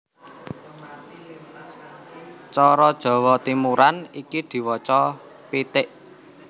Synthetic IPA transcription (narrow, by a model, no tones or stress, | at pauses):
t͡ʃɔɾɔd̥ʒ̥ɔ̤wɔt̪imuɾanikid̪̥i̤wɔt͡ʃɔ | pit̪ɪʔ